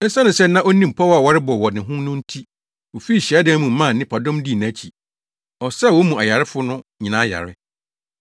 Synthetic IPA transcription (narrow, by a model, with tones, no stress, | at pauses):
ɛ˦sa˦nʊ̃˨sɛ˦nã˦ʔo˦nĩ˦m̩˨pʰɔ˦wa˨wɔ˦ɾɪ˦bɔ˨wɔ˨nɪ̃˨ɦʊ̃˦nʊ̃˦n̩˦tʰi˦ | wo˨fi˦˨ɕi˨a˦dɪ̃˦mũ˨m̩˦mã˦˨nɪ̃˦pʰa˨dɔ̃˦mdi˦˨n˨a˨˦t͡ɕʰi˨ | ɔ˨sɛ˦˨wɔ˦mũ˨a˨ja˨ɾɪ˦fʊ˦nʊ̃˦ɲĩ˨nã˦ja̰˨ɾɪ˦